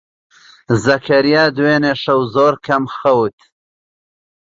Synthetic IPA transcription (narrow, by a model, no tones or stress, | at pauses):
zɐkʰɐɾijaːd̪weːneːʃɐwzoːɾkʰɐmxɐwt̪